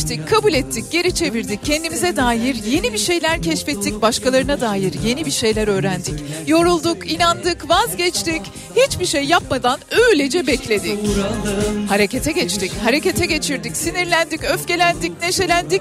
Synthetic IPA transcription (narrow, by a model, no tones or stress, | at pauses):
t̪ʰic̚kʰːabulʲɛt̪ʰːic̚ɟ̥e̞ɾit͡ʃʰe̞viɾd̪ic̚cʰːɛnd̪imizɛd̪aːjiɾje̞nibiʃe̞jlʲæɾcʰɛʃfɛt̪ʰːic̚baʃkalˠaɾɯnad̪aːjiɾje̞nibiʃe̞jlʲæɾø̞ːɾænd̪icjo̞ɾulˠd̪ukinand̪ɯkvazɟɛt͡ʃt̪ic | hit͡ʃbiʃejːapmad̪anøjlʲed͡ʒɛbɛclʲe̞d̪i | haɾe̞cʰet̪ʰɛɟɛt͡ʃt̪ʰichaɾe̞ce̞t̪ʰɛɟe̞t͡ʃʰiɾd̪icsiniɾlʲænd̪icøfce̞lʲænd̪icne̞ʃe̞lʲænd̪ic